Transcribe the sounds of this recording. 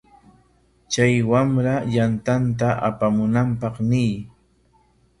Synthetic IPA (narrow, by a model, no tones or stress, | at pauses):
t͡ʃajwamɾajant̪ant̪̬aʔa̰pamʊnampɑχnɪj